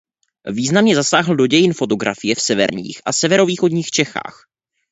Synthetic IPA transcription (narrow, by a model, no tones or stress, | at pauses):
viːznamɲɛzasaːɦl̩do̞ɟɛjɪnfo̞t̪o̞ɡɾʔa̰fɪjɛfsɛvɛ̰ɾɲḭːxʔa̰sɛvɛɾo̞viːxo̞dɲiːxt͡ʃɛxa̰ːx